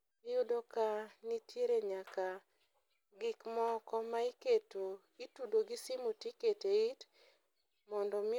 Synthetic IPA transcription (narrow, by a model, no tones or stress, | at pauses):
ɪjʊdokanitjeɾeɲaka | ɡɪkmɔkɔmaiketo | itudoɡisimutiketeit | mɔndɔmɪ